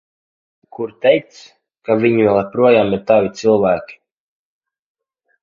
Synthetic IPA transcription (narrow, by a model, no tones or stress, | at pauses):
kʰuɾt̪ɛj̚t̪s | kaviɲivɛlˠapɾuɔjaːmiɾt̪avit̪sɨlˠvæːkʲi̥